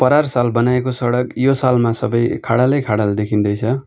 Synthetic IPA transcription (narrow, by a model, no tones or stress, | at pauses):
pʌɾarsalbʌnaekosʌɽʌkjosalmasʌbʌjkʰaɽalʌjkʰaɽald̪ekʰind̪ʌjt͡sʰʌ